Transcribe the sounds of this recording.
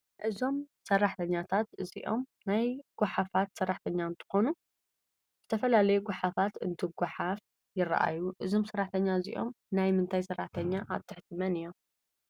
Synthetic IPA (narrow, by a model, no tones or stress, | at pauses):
ʔɨzo̞msɐrːaħt̪ʰɐɲːat̪ʰat̪ɨzḭʔo̞̰mnajɡ̥ʷaħafat̪sɐrːaħt̪ʰɐɲːaɨnt̪ʰɨ̥xo̞nu | z̥ɨt̪ʰɐfɐlalɐjuɡʷaħafat̪ɨ̰nt̪ʰɨɡʷaħaf | jɪrːɐ̰ʔa̰jːuʔɨzo̞msɐrːaħt̪ʰɐɲːazḭʔo̞̰m | najmɨnt̪ʰajsɐrːaħt̪ʰɐɲːaʔa̰βt̪ʰɨħt̪ʰɨmɐnɨjːo̞